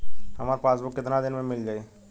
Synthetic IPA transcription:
hɐmaːɾpaːsbʊkːɪt̪nad̪ɪnmẽmɪld͡ʒaːeː

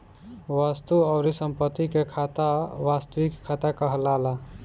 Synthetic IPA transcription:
ʋast̪uaʊɾisəmpət̪ːikekʰat̪aʋast̪əʋikʰːat̪akəɦəlala

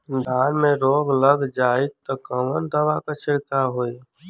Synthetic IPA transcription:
d̪ʱaːɾmẽɾoːɡləɡd͡ʒaːit̪əkəmənd̪əʋakat͡ʃʰɪɾkaɦoːi

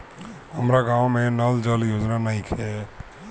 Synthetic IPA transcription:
ɦəmɾaɡãwmẽnəld͡ʒəljoːd͡ʒnanəɦĩkʰɛ

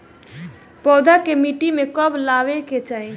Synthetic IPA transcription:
pɔd̪ʱakemiʈimekəblaʋeket͡ʃai

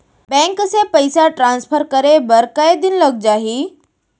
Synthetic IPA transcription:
bɛ̃ːŋkəsẽpɐɪsaʈɾãːnspʰəɾkɐɾebɐɾkɐed̪ɪnlɐɡ̚d͡ʑaːɦiː

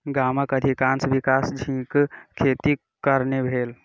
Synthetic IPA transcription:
ɡaməkəd̪ʱikansʋikasd͡ʒʱĩkkʰet̪i | kəɾnebʱeːl

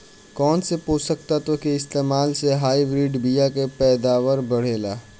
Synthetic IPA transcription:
kɔːnsepoːsək̚t̪at̪okeɪst̪eːmaːlseɦaːibɾiːɖbijakepɛːd̪aːʋəɾbəɽ̤eːlaː

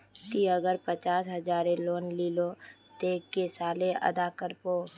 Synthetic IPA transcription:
k̪iəɡəɾpət͡ʃaːsɦəzaːɾeloːnliːlo | t̪eːkːesaːlẽʔɐ̰d̪akəɾpoː

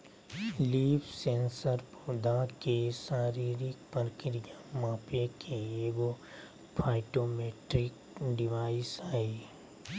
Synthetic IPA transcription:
liːpʰsẽːnsəɾpuːd̪akeʃaːɾiːɾɪk̚pəɾkɪɾɪjãmãːpekeeːɡo | pʰaːɪʈomeːʈɾɪk | ɖɪʋaːɪsaːi

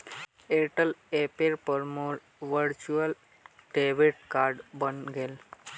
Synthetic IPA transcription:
eʈəlepeɾpəɾmoːɾ | ʋəɾt͡ʃuəl | ʈeʋeʈ̚kaɾɖbənɡeːl

